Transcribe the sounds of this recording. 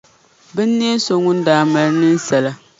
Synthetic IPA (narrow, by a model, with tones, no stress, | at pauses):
bɨ˦nː˦ɛ˦so˦ŋʊ˦n̩˦daː˨˦˨ma˨ɾnɨ˦n˦sɛ˨la˦